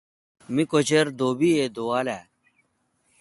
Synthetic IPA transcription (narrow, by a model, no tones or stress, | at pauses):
mikot͡ɕeɾd̪oːbied̪oːaːlɛː